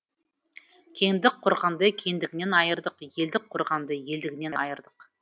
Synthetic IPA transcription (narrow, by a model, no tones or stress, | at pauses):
kʲʰe̞ŋd̪ɪk̚qʰʊɾʁɑnd̪əkʲʰe̞ŋd̪ɪɡʲɪne̞nɑjəɾd̪əqje̞ld̪ɪk̚qʰːʊɾʁɑnd̪əje̞ld̪ɪɡʲɪneɑjəɾd̪əq